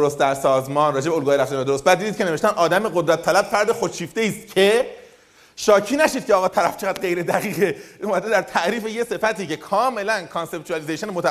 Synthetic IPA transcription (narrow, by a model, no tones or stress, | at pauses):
oɾost̪̚d̪æɾsɒːzmɒːnrɒːd͡ʒe̞beolɡuːjɾæft̪ænæd̪oɾost̪bæd̪iːd̪id̪̚cʰene̞ve̞ʃt̪ænʔɒːd̪æmeɡod̪ɾæt̪ʰːælæb̥fæɾd̪exot͡ʃʰiːft̪e̞iːst̪cʰe̞ | ʃɒːcʰiːnæʃiːd̪̚cʰeɒːɣɒːt̪ʰæɾæ̰ft͡ʃʰeʁæːd̪̚ɢe̞jɾe̞d̪æɣiːɣeomæd̪ed̪æɾt̪ʰæʔɾiːfejese̞fæt̪iːce̞kʰɒːme̞lænkʰɑnse̞p̚t̪ʰuælizejʃonmot̪æ